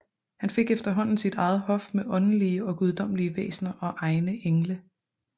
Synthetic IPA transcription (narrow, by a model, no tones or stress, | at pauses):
hænfe̝ɡ̥efd̥ɐɦɒ̽n̰n̩sid̥ɑ̈ɪð̞̩ˠhɒ̽fd̥meʔɒ̽n̩liəɒ̽ɡ̥uð̞ˠd̥ɒ̽m̰əliəʋḛːsnɐʔɒ̽ʔɑ̈ɪnəʔeŋlə